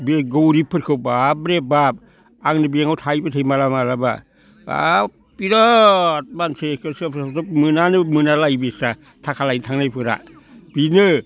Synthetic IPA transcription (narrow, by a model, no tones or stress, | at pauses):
bieɡowɾipʰɯɾkʰɯwbabɾebab̚ | aŋnɯbieŋawtʰajbɯtʰajmalamalaba̰ | ba̰ | piɾɔt̚mansekʰɯsɯsɯmɯnanɯmɯnalajbesa | tʰakʰalajntʰaŋnajpʰɯɾa̰ | b̥inɯ